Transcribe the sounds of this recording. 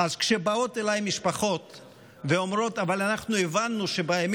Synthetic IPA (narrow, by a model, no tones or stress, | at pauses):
azkʃebao̞t̪elajmiʃpaχo̞t̪ | veomɾo̞t̪avalanaχnuevanːuʃebaem